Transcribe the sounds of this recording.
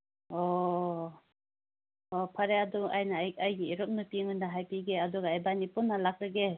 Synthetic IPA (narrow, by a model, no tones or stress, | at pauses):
ɔ | pʰaɾeaduʔajnajajɡiːɾɯk̚nɯpiŋɯndaɦajpiɡeaduɡaajbanipunːalak̚ɾɯɡe